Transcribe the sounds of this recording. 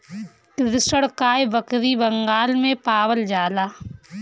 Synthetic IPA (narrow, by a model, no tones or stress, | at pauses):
tɪɾɪsəɽkaːjʋəkɾibɐŋɡaːlmẽpaːwəld͡ʒaːlaː